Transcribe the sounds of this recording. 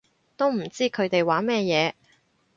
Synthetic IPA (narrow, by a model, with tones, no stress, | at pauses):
t̪o˥wm̩˨˩t͡siː˥kʰɵ˨˧ɥt̪e˨jwaː˨˥mɛː˥˧jɛː˨˧